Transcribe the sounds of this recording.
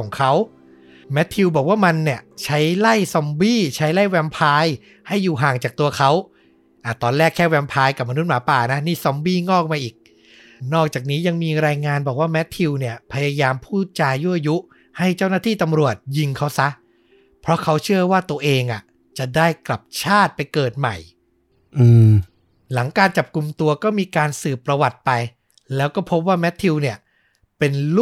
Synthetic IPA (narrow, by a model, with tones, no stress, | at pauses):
ɔː˩˦ŋkʰa˦˥w | mɛ˦˥t̪ʰːi˧wbɔː˨˩k̚waː˥˩ma˧nːi˥˩ɐt͡ɕʰa˦˥jla˥˩jsɔ˧mbiː˥˩t͡ɕʰa˦˥jla˥˩jwɛ˧mpʰaː˧j | ha˥˩jːuː˨˩ɦaː˨˩ŋt͡ɕaː˨˩k̚t̪u˧ɐkʰa˦˥w | ʔa˨˩t̪ɔː˧nlɛː˥˩kʰːɛː˥˩wɛ˧mpʰaː˧jka˨˩p̚ma˧nu˦˥t̪̚maː˩˦paː˨˩na˦˥niː˥˩sɔ˧mbiː˥˩ŋɔː˥˩k̚maː˧ʔiː˨˩k̚ | nɔː˥˩k̚t͡ɕaː˨˩k̚niː˦˥ja˧ŋmiː˧ɾaː˧jŋaː˧nbɔː˨˩k̚waː˥˩mɛ˦˥t̪ʰːi˧wni˥˩ɐpʰa˧jaː˧jaː˧mpʰuː˥˩t̪̚t͡ɕaː˧jju˦˥˩ʔa˧ju˦˥ | ha˥˩jt͡ɕa˥˩wnaː˥˩t̪ʰiː˥˩t̪a˧mɾu˨˩ət̪̚ji˧ŋkʰa˦˥wsa˦˥ʔ | pʰɾɔ˦˥kʰa˦˥wt͡ɕʰɯ˥˩ɐwaː˥˩t̪u˧ɐʔeː˧ŋʔa˨˩ | t͡ɕa˨˩daː˥˩jkla˨˩p̚t͡ɕʰaː˥˩t̪̚pa˧jkɤː˨˩t̪̚ma̰˨˩j | ʔɯː˧˩ | la˩˦ŋkaː˧nt͡ɕa˨˩p̚ku˧mt̪u˧ɐkɔː˥˩miː˧kaː˧nsɯː˨˩pːɾa˧wa˨˩t̪̚pa˧j | lɛː˦˥wkɔː˥˩pʰo˦˥p̬̚waː˥˩mɛ˦˥t̪ʰːi˧wni˥˩ɐ | pe˧nl